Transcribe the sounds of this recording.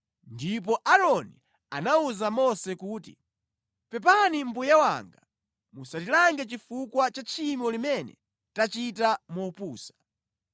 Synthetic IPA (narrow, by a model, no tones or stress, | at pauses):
ndip̬ɔʔaɾɔnḭ | a̰nauzamɔsɛkuːtḭ | pɛp̬anim̩bujawa̰ŋɡa | musatilaŋɡɛt͡ʃifukwat͡ʃat͡ʃʰimɔlimɛnɛ̰ | tat͡ʃitamɔpuːsḁ